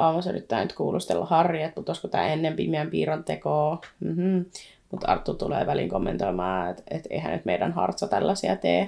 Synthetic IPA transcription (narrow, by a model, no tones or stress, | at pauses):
ɑmːɑsøɾyt̪ːæːnyt̪kuːlust̪elːɑhɑrːiet̪̚put̪oskot̪æ̰ːenːempimiæmpiːɾɑnt̪ekoːm̩m̩ | mut̪ɑ̰rt̪ːut̪ulḛːʋæliŋkomːent̪oimɑːet̪et̪ḛihæ̰nyt̪meidænhɑ̰rt̪sɑt̪ælːæsiɑt̪eː